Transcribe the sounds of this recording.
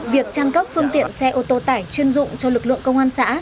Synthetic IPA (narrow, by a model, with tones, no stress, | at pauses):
vi˨˩ək̚t͡ɕaː˧ŋkə˦˥p̚fɨ˧əŋt̪ḭ˧˨ənsɛ˧ʔo˧t̪o˧t̪aː˧˩jt͡ɕwi˧ənzʊ̰˧˨ŋ͡mt͡ɕɔ˧lɨ˨˩k̚lɨ̰˧˨əŋkə˧wŋ͡mʔaː˧nsa̰ː˧˥